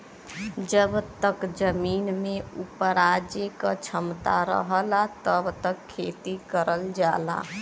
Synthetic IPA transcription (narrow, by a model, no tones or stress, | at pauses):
d͡ʒəbt̪əkd͡ʒəmiːnmẽupəɾaːd͡ʒjekat͡ʃʰəmt̪aɾə̰ɦlat̪əbt̪əkʰːeːt̪ikəɾəld͡ʒaːla̰ː